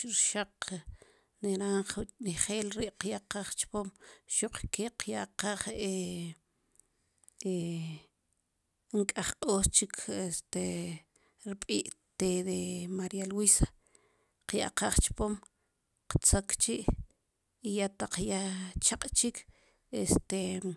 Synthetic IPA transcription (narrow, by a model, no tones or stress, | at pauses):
ɾʃaq | neɾaɴχniχeːlɾiːʔqjaʔqaχt͡ʃpomʃuq͡χkeqjaʔqaːχe | e | ŋkʼaχqʼoːst͡ʃikʰest̪e | ɾiɓʼiːʔt̪ed̪emaɾialwisḁ | qja̰ʔqaːχt͡ʃpom | qt͡sokt͡ʃiʔ | ijat̪aq͡χjat͡ʃaqʼt͡ʃikʰ | est̪e